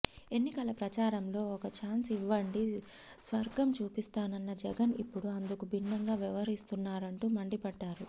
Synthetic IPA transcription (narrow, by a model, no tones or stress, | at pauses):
e̞nːikɐlɐpɾɐt͡ʃaːɾɐmlo̞ːɔkɐt͡ʃaːnsiʋːɐɳɖi | sʋɐɾɡɐmt͡ʃuːpist̪aːnɐnːɐd͡ʒɛɡɐnḭpːuɽuɐnd̪ukubʱinːɐŋɡaːʋiʋɐɾist̪unːaːɾɐɳʈuːmɐɳɖipɐɖːaːɾu